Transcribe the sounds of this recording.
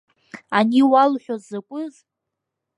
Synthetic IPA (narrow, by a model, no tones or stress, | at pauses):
aniwalħʷᶣozakʷʼʊz